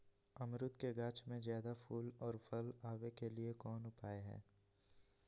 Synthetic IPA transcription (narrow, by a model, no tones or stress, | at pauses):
ɐmɾʊt̪keɡaːt͡ʃmẽzjaːd̪apuːlɔːɾfʰɐlaːʋekeliekɔːnʊpaːeɦɛ̰ː